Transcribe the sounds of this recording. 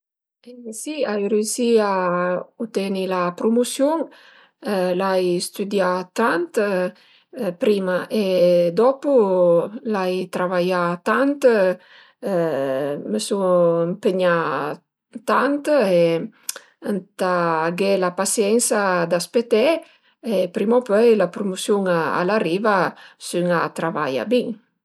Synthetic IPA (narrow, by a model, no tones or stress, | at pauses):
esiajreysiaut̪ɛnilapɾomusjuŋ | lajst̪yd̪jat̪ant̪ | pɾimaʔed̪ɔpu | lajt̪ɾavajat̪ant̪ | məsɔəmpeɲa | t̪ant̪e | ant̪aɡɛlapasjɛnsad̪aspet̪ɛ | epɾimopøjlapɾomusjuŋaa̰laɾiːvasyŋat̪ɾava̰ja̰biŋ